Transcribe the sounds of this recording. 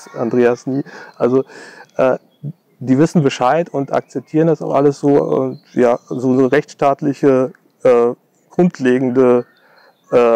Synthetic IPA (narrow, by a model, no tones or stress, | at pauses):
ʔandʁeːasniːʔalzoʔɛː | diːvɪsn̩bəʃaɪtʊntʔa̰k̚t͡sɛp̚tʰiːʁ̞əndasaʊxʔaləsz̥oːʊ̰tjaːzoːnəʁɛçtʃtaːtlɪçə | ʔɛː | ɡ̥ʁʊntʰleːɡŋ̩də | ʔɛː